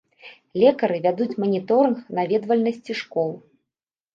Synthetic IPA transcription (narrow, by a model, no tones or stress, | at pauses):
lʲɛkɐɾɨvʲad̪ut͡sʲmɐnʲit̪ɔɾɨnxnavʲɛd̪vɐlʲnɐsʲt͡sʲiʂkɔlˠ